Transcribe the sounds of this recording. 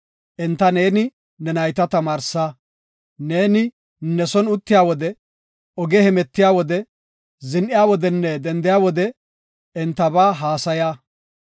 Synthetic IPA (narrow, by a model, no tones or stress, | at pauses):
ʔɛnt̪ːɐne̞ːnɪ | nɛnɐjt̪ɐt̪ɐmaːɾsaː | ne̞ːnɪ | nɛsɔnʊt̪ːɪjaːwɔd̪ɛ | ɔɡɛhɛmɛt̪ːɪjaːwɔd̪ɛ | zɪnʔɪjaːwɔd̪ɛnːɛd̪ɛnd̪ɪjaːwɔd̪ɛ | ɛnt̪ːɐbaːɦaːsɐjaː